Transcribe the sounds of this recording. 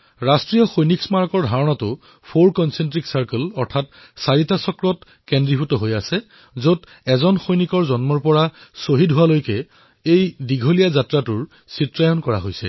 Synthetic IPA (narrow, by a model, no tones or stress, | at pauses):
ɹastɹijɔxojniksmaɹɔkɔɹdʱaɹɔnɔtʊ | pʰoɹkɔnsɛntɹiksaɹkəlɔɹtʰat̚ | saɹitasɔkɹɔt | kɛndɹipʰutɔɦojasɛ | zot | ɛzɔnxojnikɔɹzɔnmɔɹpɔɹasoɦidɦuwalojkɛ | ejdiɡʱolijazatɹatʊɹ | sitɹajɔnkɔɹa̰ɦojsɛ̰